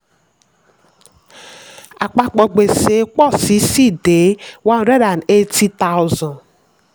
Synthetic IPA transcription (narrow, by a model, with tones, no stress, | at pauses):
a˨k͡pa˨k͡pɔ˨ɡ͡be˨se˨˦k͡pɔ˦si˨˦si˦de˨˦wa˦n˨ɾe˦ɾa˨ne˦tʰi˦t̪a˦wzɔ̃˨n